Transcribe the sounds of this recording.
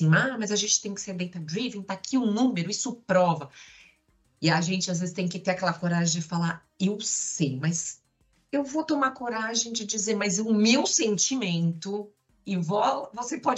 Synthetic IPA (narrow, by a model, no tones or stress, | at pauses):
ĩamɐzɐʒẽnt͡ʃɪ̥t̪ẽj̃kɪ̥seɾd̪ejt̪ɐd̪ɾivẽŋ̃t̪akʰiʊnũmeɾʊisʊpɾɔvɐ | ɪaʒẽnt͡ʃɪazvezɪst̪ẽj̃kɪt̪eɾakɛlɐkoɾaʒẽj̃d͡ʒɪfala | ewsejmɐz | ewvot̪omakoɾaʒẽj̃d͡ʒɪd͡ʒizeɾmɐjzɛʊmewsẽnt͡ʃimẽnt̪ʊ | ɪvɔvosepɔd͡ʒ